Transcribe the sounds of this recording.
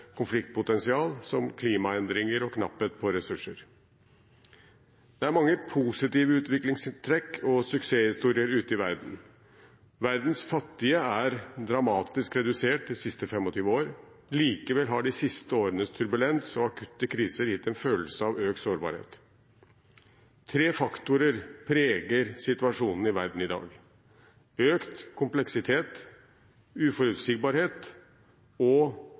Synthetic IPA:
kʰʊnflɪkt̪̚pʊt̪ɛnsɪɑːlsɔmkʰliːmɑɛnd̪ɾɪŋəɾɔkʰnɑ̰pːət̪̚pʰɔɾɛsʉʂːəɾ | d̪̥ɛæɾmɑŋːəpʰuːsɪt̪iːʋəʉːt̪ʋɪklɪŋsɪnt̪ʰɾɛkːʰɔsʉkseːhɪst̪uːɾɪəɾʉːt̪əɪʋæɾd̪n̩ | ʋæɾd̪n̩sfɑt̪ːɪəæɾd̪ɾɑmɑːt̪ɪskɾɛd̪ʉseːʈ̚d̪ɪsɪst̪əfɛmːɔt̪ʰyːʋəoːɾ | liːkəʋɛlɦɑɖɪsɪst̪əoːɾənəst̪ʰʉɾbʉlɛnsɔɑkʰʉt̪ːəkʰɾiːsəɾjɪt̪ːɛnføːləsəɑʋøːk̚t̪soːɾbɑ̰ːɾhḛːt̪ | t̪ʰɾeːfɑkt̪ʊɾəɾpʰɾeːɡəɾsɪt̪ʉɑʂuːnn̩ɪʋæɾɖɳ̩ɪd̪ɑ̰ːɡ | øːkt̪kʰʊmplɛksɪt̪ʰeːt̪ | ʉːfɔɾʉːt̪siːɡ̚bɑːɾheːt̪ | ɔ

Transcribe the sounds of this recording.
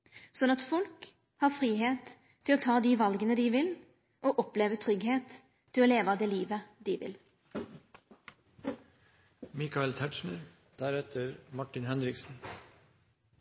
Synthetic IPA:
sɔnɑt̪fɔlk | hɑːɾfɾiːɦeːt̪ʰː | ɪloːt̪ʰɑːd̪iːʋɑlɡənəd̪iːʋɪl | ʔoːʔɔpleːʋət̪ʰɾʏɡɦeːt̪ʰː | ɪlɔoːleːʋɑd̪eːliːʋəd̪iːʋɪ̰l | mikɑɛlt̪ʰæʈʃɳəɾ | d̪̥æɾɛt̪ʰəɾmɑʈɪnhɛnɾɪksn̩

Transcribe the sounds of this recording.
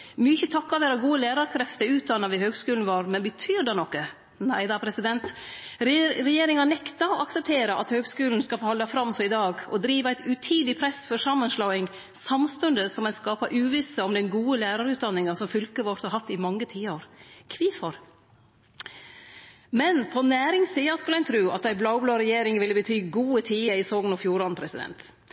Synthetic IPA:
mʏçət̪ʰɑkːɑʋeːɾɑɡuːəlæːɾɑɾkʰɾɛft̪əɾʉːt̪̚d̪ɑnːɑʋɪhøːɡskʉːln̩ʋɑɾmɛnbət̪ʰyːɾd̪ɑːnɔkːə | næɪd̪ɑpʰɾɛsɪd̪ɛnt̪ | ɾɛjeːɾɪŋɑnɛkt̪ɑɔʔɑksɛp̚t̪ʰeːɾəʔɑ̰t̪høːɡskʉːln̩skɑfoːhɑld̪ɑfɾɑmːsɔɪd̪ɑːɡɔd̪ɾiːʋəæɪt̪ʉt̪ʰiːd̪ɪpʰɾɛsfɔɾʂɑmːənʂlɑːɪŋ | sɑmst̪ʉnd̪əsɔmɛnskɑːpɑʔʉːʋɪsəɔmd̪ɛnɡuːəlæːɾɑɾʉːt̪̚d̪ɑnːɪŋɑsɔmfʏlkəʋɔɾt̪hɑɾhɑt̪ːɪmɑŋːət̪ʰiːəɾkʰʋiːfɔɾ | mɛnpʰɔnæːɾɪŋsiːɑskʉlæɪnt̪ʰɾʉːɑ̰t̪æɪblɑʊbloːɾɛjeːɾɪŋʋɪlːəbət̪ʰyːɡuːət̪ʰiːəɪsoːɡnɔfjuːɾɑnpʰɾɛsɪd̪ɛ̰nt̪

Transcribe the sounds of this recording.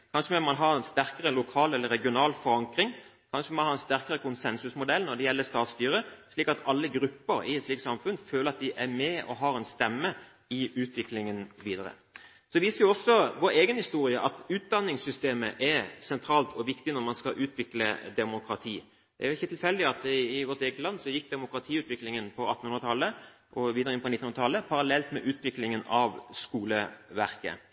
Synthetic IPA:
kʰɑnʂəmɛmɑnɦɑɾɛnst̪æɾkəʁəlʊkʰɑːlɛlːəɾɛɡɪʊnɑːlfɔɾɑŋkɾɪŋ | kʰɑnʂəmmɑnhɑɾɛnst̪æɾkəɾəkʰʊnsɛnsʉsmʊd̪ɛlnɔd̪ɛjɛlːəst̪ɑːt̪st̪yːɾəʂɭiːkɑt̪ɑlːəɡɾʉpːəɾɪ̰ɛt̪sliːk̪sɑmfʉnføːləɾɑt̪̚d̪ɪʔæɾmɛɔ̰ɦɑːɾɛnst̪ɛmːə | ɪʉːt̪ʰʋɪklɪŋənʋiːd̪əɾə̰ | sɔʋiːsəɾjʊɔsːɔʋoːɾeːɡənhɪst̪uːɾɪəʔɑt̪ʉːt̪̚d̪ɑnːɪŋsʏst̪eːməʔæsɛnt̪ʰɾɑːlt̪ʰɔʋɪkt̪ɪnɔɾmɑnskɑʔʉːt̪ʋɪklə̰d̪ɛmʊkʰɾɑt̪ʰiː | d̪ɛ̰æɾjʊɪçːət̪ʰɪlfɛld̪ɪɑt̪ɪʋɔʁt̪eːɡət̪lɑnːsɔjɪkːd̪ɛmʊkɾɑt̪ʰiːʉːt̪ʋɪklɪŋənpʰɔɑt̪ːn̩hʉnʁɾət̪ʰɑlːə | ʔɔʋiːd̪əɾəɪnpɔnɪt̪ːnhɵnət̪ɑlːəpʰɑɾɑlɛlt̪mɛʔʉːt̪ʋɪklɪŋənɑʋskuːləʋæɾkə̰

